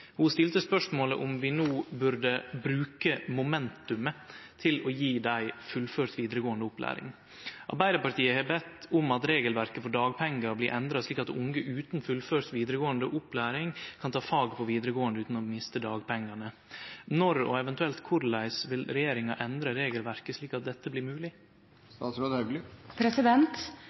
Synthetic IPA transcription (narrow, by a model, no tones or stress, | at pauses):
hʊst̪ɪlt̪əspœʂmoːləʔʊmʋɪnuːbʉɾɖəbɾʉːkəmʊmɛnt̪ʉmət̪ʰɪlɔjiːd̪æɪfʉlføːɾt̪ʋiːd̪əɾəɡoːənd̪əʊplæ̰ːɾɪ̰ŋ | ʔɑ̰ɾbæɪd̪əɾpɑt̪iːəheːbɛt̪ːʊmɑt̪ɾeːɡəlʋæɾkəfɔɖɑːɡ̚pʰɛŋːɑɾbliɾʔɛnd̪ɾɑsɭiːkɑt̪ʊŋɡəʔʉːt̪n̩fʉlføːɾt̪ʋiːd̪ɾəɡoːənd̪əʔʊplæːɾɪŋkʰɑnt̪ʰɑːfɑːɡpʰɔʋiːd̪əɾəɡoːənd̪əʉːt̪n̩ɔmɪst̪əd̪ɑːɡpʰɛŋːɑnə | nɔɾɔ̰ɛʋɛnt̪ʉɛlt̪kʰʊɾlæɪsʋɪlɾɛjeːɾɪŋɑʔɛnd̪ɾəɾeːɡəlʋæɾkəʂɭiːkɑt̪̚d̪ɛt̪ːəblɪːɾmʉːlɪ | st̪ɑːt̪sɾoːd̪əhɛɡlɪpʰɾɛsɪd̪ɛnt̪